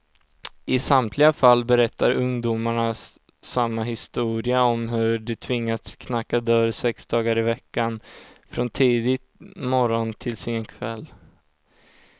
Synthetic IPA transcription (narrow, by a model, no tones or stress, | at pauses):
ɪsamt̪ʰlɪɡafalːbɛɾɛt̪ʰːaɾɵŋd̪umaɳasː | amːaɦɪst̪uːɾɪaɔmɦɵɖɛt̪ʰvɪŋːatskʰnakːad̪œɾsɛksd̪ɑːɡaɾɪvɛkːanfɾɔnt̪ʰiːd̪ɪt̪mɔɾɔnt̪ʰɪlsɪnkʰvɛlː